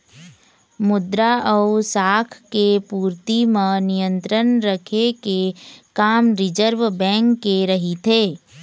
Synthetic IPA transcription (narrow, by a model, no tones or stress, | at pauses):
mʊd̪ɾaʔəusaːkʰkepuːɾt̪imənijə̃nt̪ɾənɾəkʰekekaːmɾɪd͡ʒəɾʋbɛ̃ːŋkːeɾɐɦit̪ʰeː